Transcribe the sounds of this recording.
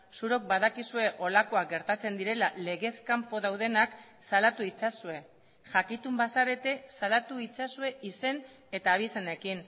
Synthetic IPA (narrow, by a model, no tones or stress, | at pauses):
suɾo̞k̚baðakisue̞ʔo̞lako̞ak̚ɡe̞ɾt̪at͡se̞nd̪iɾe̞lale̞ɣe̞skampo̞ðawðe̞naksalat̪uit͡sasue̞ | ʝakit̪umbasaɾe̞t̪e̞salat̪uit͡sasue̞ise̞n | e̞t̪aːβ̞isene̞kin